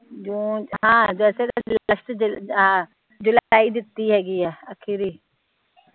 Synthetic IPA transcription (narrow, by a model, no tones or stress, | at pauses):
d͡ʒõːɦãːd͡ʒɛːsealəʃʈ̪d͡ʒã | d͡ʒʊlaaːid̪ɪt̪ːiɦɛːɡiɛːəkʰiɾiː